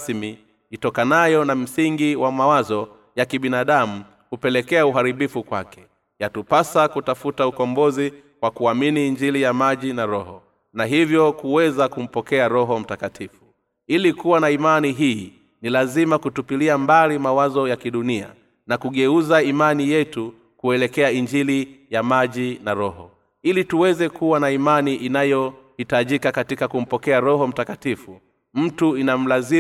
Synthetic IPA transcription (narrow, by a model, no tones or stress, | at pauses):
smi | itɔkanajɔnam̩siŋɡiwamawazɔ | jakiɓinaɗamu | kupɛlɛkɛauɦaɾiɓifukwakɛ̥ | jatupasakutafutaukɔmbɔzi | kwakuaminiːɲd͡ʒilijamaʄinaɾɔhɔ | naɦivjɔkuwɛzakum̩pɔkɛaɾɔɦɔm̩takatʰifu̥ | ilikuwanaimaniɦiː | nilazimakutupiliambalimawazɔjakiɗunia̰ | nakuɠɛuzaimanijɛtu | kuɛlɛkɛaiɲd͡ʒilijamaʄinaɾɔhɔ | ilituwɛzɛkuwanaimaniʔinajɔhitaʄikakatikakum̩pɔkɛaɾɔɦɔm̩takatifu | m̩tuinam̩lazi